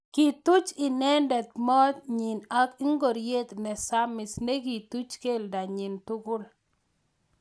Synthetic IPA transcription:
ki˨t̪u˦t͡ʃɪ˨nɛ˦ndɛ˨t̪mɔ˦t̪ɲi˨na˦kɪ˦ŋɡo˨ɾje˦t̪nɛ˨sa˦mɪ˨sne˦ɡi˨t̪u˦t͡ʃke˦˨lda˨ɲi˨ntʊ˦ɡʊ˦l

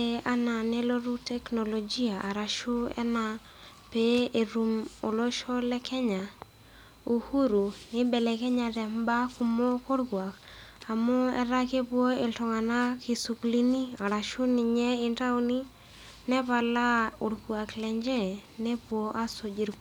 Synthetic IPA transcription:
e˦a˦na˨nɛ˦lo˦ɾu˦tɛ˦kno˨lo˨d͡ʒi˦a˨ʔa˨ɾa˨ʃu˦ɛ̰˦na˨ | pe˦e˨ɾu˨mo˨lo˦ʃo˦lɛ˦kɛ˦ɲa˨ | u˨hu˦ɾu˨nɪ˦bɛ˨lɛ˨kɛ˦ɲa˨tɛ˨mba˦ku˨mo˦ko˦ɾɡwa˨ka˨mʊ˦ɛ̰˦ɾa˦ke˦pwo˦e˨ltɔ˨ŋa˨na˦ki˨su˨kli˦ni˦a˨ɾa˨ʃu˦nɪ˨ɲɛ˦ɪ˦nta˦uni˦ | nɛ˦va˨la˦ʊ˨ɾɡwa˨klɛ˨ɲd͡ʒɛ˦ne˦pwo˦ʔa˦so˨d͡ʒi˨ɾk

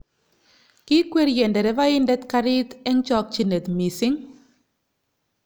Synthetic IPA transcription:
kɪ˦kwe˦ɾjɛ˨ndɛ˨ɾɛ˨˦ba˦ɪ˦ndɛ˦t̪ka˦ɾɪ˦t̪ɛ˦ŋt͡ʃɔ˦k̚t͡ʃi˦ne˨t̪mi˨sɪ˦ŋ

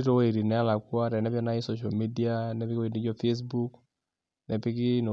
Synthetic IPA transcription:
i˦ɾɔ˦wi˨ɾi˨nɛ˦a˦la˨kwa˦ɾɛ˨nɛ˦pjɔ˦na˦i˦sɔ˦ʃ̬a˨mi˦di˦a˦nɛ˦pɪ˦kni˦d͡ʒɔ˦fe˦s̬bu˦k | nɛ˨pɪ˦kɪ˦nɔ˨

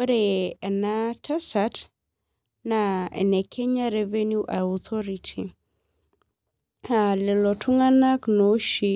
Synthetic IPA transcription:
ɾeɛ˨natʰa˦sat | naɛ̰˨nɛ˨kʰɛ˦ɲa˦ɾɛve˦nju˦ʔa˨ɔt̪ʰɔɾitʰi˨ | a˨lɪ˨lɔ˨tʰʊ˦ŋa˦na˦knoʃi˨

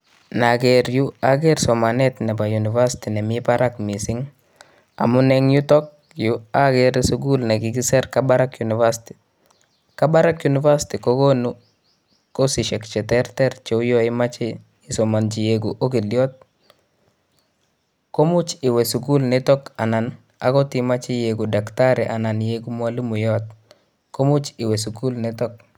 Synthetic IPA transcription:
naɡeɾju˦aɡɛɾsɔmanɛt̪nɛ˨ba˨juni˨vasi̥tinɛ˨mɪpaɾʔakmi˨sɪŋ | a̰˨munɛŋju˦tɔk̚ | juaɡɛɾsuɡu˦lnɛ˨ɡiɡisɛɾkabaɾakjuni˨vasti̥ | ka˦ba˦ɾakjuniva˦si̥tikoɡonu | ko˦sɪ˨ʃɛ˨kt͡ʃɛ˨tɛ˦ɾtɛ˦ɾt͡ʃo˦jɔ˦ɪ˦ma˦t͡ʃɪ˦ | ɪ˨so˨ma˨nt͡ʃi˨je˨ɡu˨ʔo˦ki˨ljɔ˦t̪̚ | ko˦mu˦t͡ʃɪ˨wɛ˨su˨ku˦lnɛtɔ˦ka˨na˨n | a̰˨kɔ˦ti˨ma˦t͡ʃi˦je˨ɡu˨da˨kta˦ɾɛ˨ʔa˨na˨nje˦ɡu˦mwa˦lu˦mu˨jɔ˦t̪̚ | ko˦mu˦t͡ʃɪ˨wɛ˨s̬u˨ku˦lnɛtɔ˦k̚

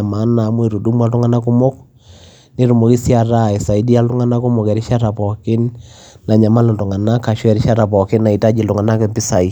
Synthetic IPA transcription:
a˨ma˨˦na˨mwe˨ɾu˨du˦m˦a˦tu˦ŋa˦na˦ku˦mo˦k | ni˦ɾu˨mo˨ki˦sja˨ɾa˦e˨sa˨i˦di˦a˦lʊ˦ŋa˦na˦ku˦mo˨kɛ˨ɾi˦ʃa˦ta˨pɔ˨kɪ˦nː | a˨ɲa˨ma˦lo˨ntu˨ŋa˨na˦ka˨ʃwɛ˨ɾi˦ʃa˦ta˨pɔ˨kɪ˦na˨i˨ta˦d͡ʒi˨lu˨ŋa˨na˦kɛ˦mpɪ˦sa˨i˨

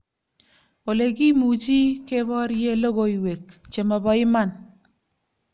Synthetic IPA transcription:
o˨le˨ki˦mu˨t͡ʃi˦ke˦bɔ˦ɾje˦lo˦ɣo˨i˨we˨kt͡ʃe˨mɔ˨bɔ˨ɪ˦ma˦˨n

